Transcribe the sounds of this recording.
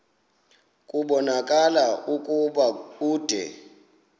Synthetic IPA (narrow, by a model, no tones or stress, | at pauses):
kʼuɓɔnakʼalaʔukʼuɓakuːd̥ʱɛ̰